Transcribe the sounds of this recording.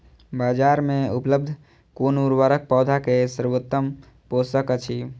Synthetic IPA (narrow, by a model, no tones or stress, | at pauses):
bad͡ʒaɾmeupləb̚d̪ʱ | konuɾʋəɾək̚pɔːd̪ʱakesəɾʋot̪ːəm | posəkət͡ʃʰi